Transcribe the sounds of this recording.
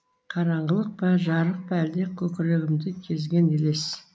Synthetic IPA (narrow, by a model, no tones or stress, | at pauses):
qʰɑɾɑɴʁəlˠəq̚pɑʒɑɾəq̚pæld̪ekʲʰɵkʲɪɾeɡʲɪmd̪ɪkʲʰe̞zɡʲenele̞s